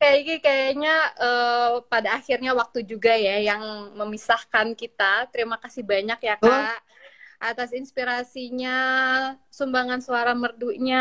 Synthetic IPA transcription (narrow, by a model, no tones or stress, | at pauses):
kajaiɡikajaɲaəpadaːxirɲawak̚t̪ud͡ʒuɡajajaŋməmisahkankit̪at̪əɾimakasɪhbaɲakjakaa | ʔat̪asinspiɾasiɲa | sumbaŋansuaɾamərduʔɲa